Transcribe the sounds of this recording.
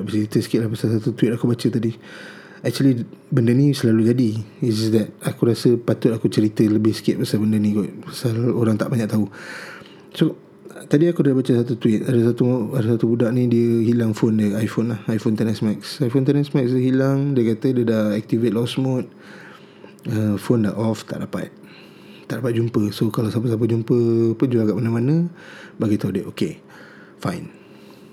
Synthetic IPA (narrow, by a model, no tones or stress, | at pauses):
ət͡ʃəɾit̪əsə̥kɪt̪ʔ̚lahpasalsat̪ut̪uwɪt̪̚akubat͡ʃət̪adi | ɛk̚t͡ʃuəlibəndənĩsəlalud͡ʒadiis̬sdɛt̪̚akuɾasəpat̪ʊt̪̚akut͡ʃəɾit̪ələbɪhsə̥kɪt̪̚pasalbəndənĩɡɔʔpasaloɾaŋt̪aʔbaɲaʔ̚t̪au | so | t̪adiakudabat͡ʃəsat̪ut̪uwɪt̪̚adəsat̪uadasat̪ubudaʔnĩdiəɦilaŋfondəajfonlahajfont̪anɛsmaksajfont̪anɛsmak̚sdəɦilaŋdiəkat̪ədiədaɛk̚t̪ivet̪̚lɔsmot̪̚ | əfonda̰ʔɔft̪a̰ʔdapa̰t̪̚ | t̪ːaʔdapat̪̚d͡ʒumpəsokalasap̬əs̬ap̬əd͡ʒumpəpənd͡ʒuaɡaʔmanãmanə̃baɡit̪audəʔoke | fa̰jn